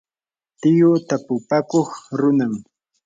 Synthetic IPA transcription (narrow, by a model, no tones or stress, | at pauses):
t̪ɪjʊt̪apʊpakoχɾʊnam